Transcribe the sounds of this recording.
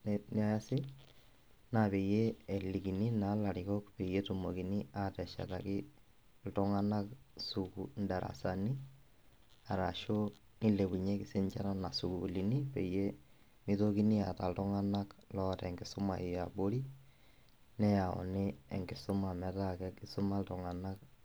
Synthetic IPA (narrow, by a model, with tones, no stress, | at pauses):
nni˦a˦ja˦sɪ˦ | na˨pe˨je˦e˨li˨ki˨ni˦na˨˦la˨ɾɪkɔ˦kpe˨je˦tu˨mo˨ki˨ni˦a˨tɛ˨ʃa̰˨ta˨kɪ˦ | ltɔ˦ŋa˦na˦ksu˨kṵ˨nda˨ɾa̰˨sa˨ni˦ | a˨ɾa˨ʃo˦ | ni˦le˨bu˨ɲe˦kɪ˨se˦nt͡ʃa̰˦na˦na˨su˨ku˨u˨li˨ni˦pe˨je˦ | mi˦to˦ki˦ni˦a̰˨ta˨ltɔ˦ŋa˦na˦klɔ˦tɛ̰˨ŋɡɪ˨sʊ˦ma˨i˨a˨bo˦ɾi˦ | nɛ˦ja˨ɔ̰˨ne˦ḛ˨ŋɡɪ˨sʊ˦ma˨mɛ˨ta˦kɛ˦ki˦sʊ˦ma˦ltɔ˨ŋa˨na˦k